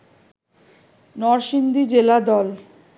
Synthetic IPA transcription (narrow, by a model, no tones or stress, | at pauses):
nɔɾʃind̪id͡ʑelad̪ɔl